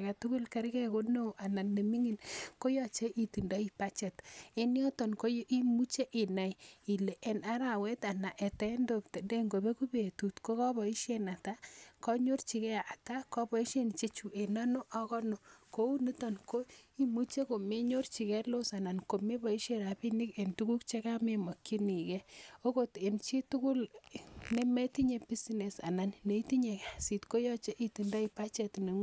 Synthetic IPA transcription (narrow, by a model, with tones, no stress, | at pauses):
ka˨tʊ˦kʊ˦lka˨ɾkɛ˨ko˦no˦ʔa˨na˨nːe˨mi˦ŋi˨nko˦jɔ˦t͡ʃe˦ʔi˨ti˨nda˦i˦pa˦t͡ʃe˨te˦ni˦ɔ˦tɔ˨nko˦jʔi˦mu˦t͡ʃe˦ʔi˨na˨ji˨le˨ʔe˨na˦ɾa˨we˦ta˨na˨ʔe˨tɛ˦ndo˨kte˨nde˦ŋɡo˨be˦ku˦be˨tu˨tko˦ka˦bɔ˨i˦ʃje˦na˨ta˦kɔ˦ɲo˦rt͡ʃi˨kɛ˦˨a˨ta˦kɔ˦bɔ˨i˦ʃe˦n˨t͡ʃe˦t͡ʃu˨ʔe˨na˦no˦ʔɔ˦kɔ˦no˨ko˦u˦ni˦tɔ˨nko˦i˦mu˦t͡ʃe˦ko˨me˦ɲo˦rt͡ʃi˨kɛ˦lo˦sa˨na˨nko˨me˦bɔ˨i˦ʃe˦ɾa˨pi˦ni˦ke˨ntu˦ku˦kt͡ʃe˦ka˦me˨mɔ˨kːi˦ni˨kɛ˦o˦ko˦te˨nt͡ʃi˦tu˦ku˦lne˦me˦ti˦ɲe˨bi˦sine˨sa̰˨na˨nne˨i˦ti˦ɲe˨ksi˨tko˦jɔ˦t͡ʃe˦ʔi˦ti˨nda˦i˨pa˦t͡ʃɛ˨tne˨ŋ˦